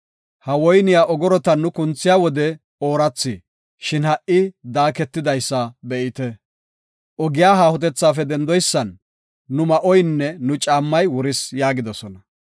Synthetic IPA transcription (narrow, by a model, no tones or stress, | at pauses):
hɐwɔjnɪjaːʔɔɡɔɾɔt̪ɐnʊkʊnt͡sːɪjaːwɔd̪ɛ | o̞ːɾɐt͡sːɪ | ʃɪnhɐʔɪd̪aːkɛt̪ːɪd̪ɐjsːɐbɛʔɪt̪ɛ | ʔɔɡɪjaːɦaːhʊt̪̬ɛt͡sːaːfɛd̪ɛnd̪ɔjsːɐnː | ʊmɐʔɔjnːɛnʊt͡ʃʼaːmːɐjwɔɾɪsjaːɡɪd̪ɔsɔnɐ